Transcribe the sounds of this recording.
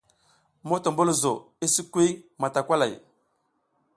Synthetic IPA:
mo˦ta˨mbu˦lzo˨ | i˦si˦kʷi˦ma˨ta˨kʷa˦la˨j

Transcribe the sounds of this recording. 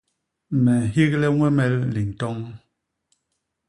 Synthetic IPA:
mɛ˨hi˦ɣlɛ˦ŋwɛ˦mɛ˦lːi˨n̩˨tɔ˦ŋ

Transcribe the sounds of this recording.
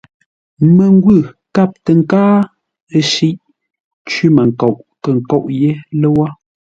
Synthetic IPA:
mə˨ŋ˦ɡwʉ˦˨ | ka˦˨p̚tə˨ŋ̩˦kaː˦ | ə˦ʃi˦ʔ | t͡ʃɥi˦mə˨ŋ̩˨kɔ˨ʔkə˨ŋ̩˨kɔ˦˨ʔje˦lə˦wa˦

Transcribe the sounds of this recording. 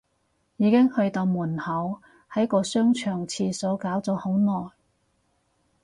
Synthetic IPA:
jiː˨˧kɪ˥ŋhɵ˧ɥt̪o˧wmuː˨˩nhɐ˨˥w | hɐ˨˥jkɔː˧sœː˥ŋt͡ʃʰœː˨˩ŋt͡sʰiː˧sɔː˨˥kaː˨˥wt͡sɔː˨˥ho˨˥wnɔː˨˩j

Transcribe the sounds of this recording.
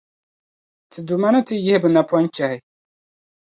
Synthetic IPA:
tʰɨ˨du˨ma˦nɨ˦tɨ˦jɪ˦hbɨ˨na˨pwa˦n˦t͡ʃɛ˨hɪ˨

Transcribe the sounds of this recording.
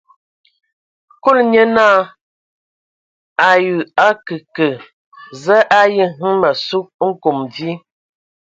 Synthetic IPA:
ku˦lɲə˦naː˦ | a˨jʉ˨a˦kɨ˨kə˨ | zə˦ʔa˦ji˦ŋi˦ma˨su˦k̚ŋ̩˦ku˨mdi˦

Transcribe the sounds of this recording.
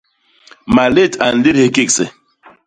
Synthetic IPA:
ma˨le˦˨ta˨n̩˨li˦the˦ki˦ksḛ˨

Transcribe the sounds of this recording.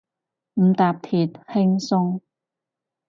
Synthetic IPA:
m̩˨˩t̪aː˨p̚pʰiː˨˩t̪̚hɪ˥ŋsʊ˥ŋ

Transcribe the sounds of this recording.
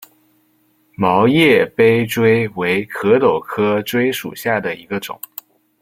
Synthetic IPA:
mɑ˧˥ʊjɛ˥˩pe˥ɪʈ͡ʂwe˥ɪwe˧˥ɪkʰɤ˧˥t̪o˨˩ʊkʰɤ˥ʈ͡ʂwe˥ɪʂṵ˨˩ɕja˥˩d̪ə˩i˧˥ɡə˧ʈ͡ʂʊ̰˨˩˦ŋ

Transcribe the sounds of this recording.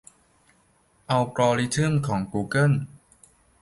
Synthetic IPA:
ʔa˧wpɾɔː˧ɾi˦˥t̪ʰɯ˥˩mkʰɔː˩˦ŋkuː˧kɤ˥˩n

